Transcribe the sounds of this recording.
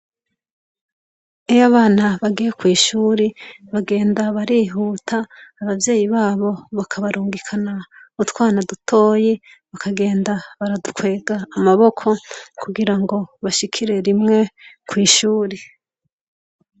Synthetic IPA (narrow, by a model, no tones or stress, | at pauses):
ejoaβaːnaβaɡijekwiːʃuːɾeβaɡe̞ːndaβaɾiːɦuːtʰaːβavje̞ːjiβaːβo̞βakʰaβaɾuːŋɡikʰanaβutkwaːnadutʰo̞ːje | βakaɡe̞ːndaβaɾadukwe̞ːɡaːmaβo̞kʰo̞kuɡiɾaŋɡo̞βaʃikʰiɾe̞ɾimŋe̞kwiːʃuːɾe